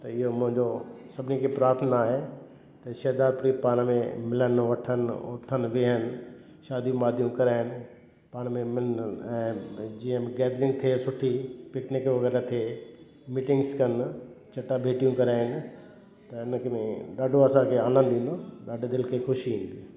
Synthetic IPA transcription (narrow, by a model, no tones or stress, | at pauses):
t̪ɐɪɦomʊ̃ɦɪ̃ɲd͡ʑosɐbʱɪnikʰepɾaːɾt̪ʰənaːɦe | t̪ɐʃɐːd̪aːɾ̚pʊɾipaːɽ̃mẽmɪlənʋɐʈʰəno̰ːɾt̪ʰənʋɪɦənɪ̆ | ʃaːd̪ʱijũmaːd̪ʱijũkɐɾaːɪnɪ̆ | paːɽ̃mẽmɪnɛ̃ːd͡ʑiːə̃mẽɡɛːd̪ɾɪ̃ŋɡt̪ʰesʊʈʰipɪknɪkʋɐɡɛːɾat̪ʰe | miːʈɪ̃ŋɡskɐnt͡ɕɐʈabʱeːʈijũkɐɾaːɪnɪ̆ | t̪ɐɪnkmẽɗaːɖʱoɐsãkʰeaːnə̃nd̪ʱĩːn̆d̪oɗaːɖʱed̪ɪlkʰexʊʃiĩːn̆d̪iː